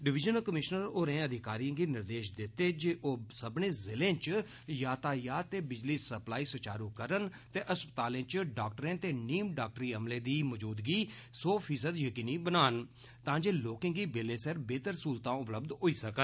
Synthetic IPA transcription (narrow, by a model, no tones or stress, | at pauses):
ɖɪʋɪd͡ʒənəkəmɪʃnəɾoːɾẽːəd̪ʱɪkaːɾijãːɡiːnɪɾd̪eːʃd̪ɪt̪ːeːd͡ʒeːʔoːsəbnẽːzɪlẽːt͡ʃ | jaːt̪aːjaːt̪eːbɪd͡ʒliːsəplaːiːsət͡ʃaːɾuːkəɾənt̪eːʔəspət̪aːlẽːt͡ʃɖaːk̚ʈəɾẽːt̪eːniːmɖaːk̚ʈɾiːəmlẽːd̪iːmɔd͡ʒuːd̪ɡiːsɔːpʰiːs̬əd̪jəkiːniːbənaːn | t̪ãːd͡ʒeːloːkẽːɡiːbelẽːsɛɾbeːt̪əɾsuːlt̪ãːʊpləbd̪ɦoːiːsəkən